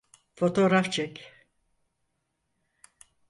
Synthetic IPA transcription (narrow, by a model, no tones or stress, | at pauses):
fo̞t̪ʰo̞ɾaft͡ʃʰɛkʲ